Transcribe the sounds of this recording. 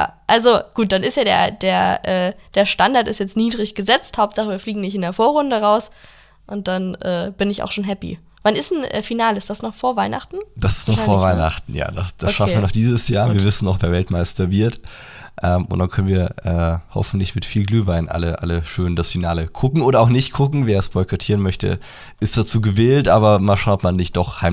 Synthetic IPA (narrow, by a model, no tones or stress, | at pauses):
ja̰ːʔalzoɡ̥uːt̚d̥anɪstjaːdḛːɐd̥eːɐʔɛːd̥eːɐʃtandaɐtɪstjɛt͡stniːdʁɪçɡ̥əzɛt͡sthaʊp̚tz̥aχəviːɐfliːɡŋ̩nɪçtɪndeːɐfoːɐʁʊndəʁaʊs | ʔʊnt̚d̥anʔɛːb̥ɪnɪça̰ʊʃoːnɦɛpḭ | vanɪstn̩ʔɛ̰ːfinaːləɪstd̥asnɔχfoːɐvaɪna̰χtn̩d̥asɪ̥stnɔfoːɐvaɪna̰χtn̩ja̰ːdasd̥assʃafnviːɐnɔχd̥iːzəsjaːɐviːɐvɪsn̩ɔʊχv̥eːɐvɛltmaɪstɐvɪɐt | ʔɛːmʔʊ̰ntd̥ankʰœnənviːɐʔɛːhɔ̰fn̩tlɪçmɪtfiːlɡlyːvaɪnʔa̰ləʔa̰ləʃøːndasfinaːləkʰʊkŋ̩ʔoːɾɐaʊxnɪçtkʰʊkŋ̩veːɐɛsb̥ɔʏkʰatʰiːʁənmœçtə̰ | ʔɪstt͡sv̥aːt͡suːɡəveːltʔaːbɐmaːlʃaʊnɔpmanːɪçt̚d̥ɔχhaɪ